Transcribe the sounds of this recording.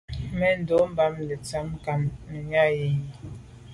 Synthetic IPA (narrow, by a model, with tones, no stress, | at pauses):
mɛ˦n̩˨do˨˦m̩˦ba˦mlɛ˨t͡sa˦m˦ka˨mnɛ˨ɲa˦je˨ɲ˨